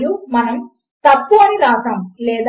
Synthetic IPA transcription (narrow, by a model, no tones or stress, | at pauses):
jumɐnɐm | t̪ɐpːuɐnilaːt̪ɐmlɛːd̪